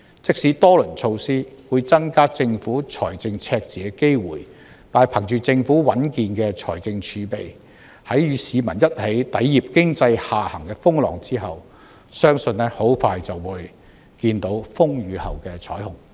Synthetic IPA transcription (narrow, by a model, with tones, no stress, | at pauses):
t͡sɪ˥k̚siː˨˥t̪ɔː˥lɵ˨˩nt͡ʃʰo˧wsiː˥wuː˨˧jt͡sɐ˥ŋkaː˥t͡sɪ˧ŋfuː˨˥t͡sʰɔ̰ː˨˩jt͡sɪ˧ŋt͡sʰɛː˧k̚t͡siː˨˩kɛ˧ke˥jwṵː˨˩j | t̪aː˨˩jpʰɐ˨˩ŋt͡ʃyː˨t͡sɪ˧ŋfuː˨˥wɐ˨˥nkiː˧nkɛ˧t͡sʰɔ̰ː˨˩jt͡sɪ˧ŋt͡ʃʰyː˨˥pḛ˨j | hɐ˨˥jjyː˨˧siː˨˧mɐ˨˩njɐ˥t̚he˨˥jt̪ɐ˨˥jːi˨p̚kɪ˥ŋt͡sɐ˧jhaː˨hɐ˨˩ŋkɛː˧fʊ˥ŋlɔ̰ː˨˩ŋt͡siː˥ɦɐ˨w | sœː˥ŋsɵ˧nlɛ˥ho˨˥wfaː˧jt͡sɐ˨wwuː˨˧j | kiː˧nt̪o˨˥wfʊ˥ŋjyː˨˧hɐ̰˨˩wkɛː˧t͡sʰɔː˨˥jhʊ˨˩ŋ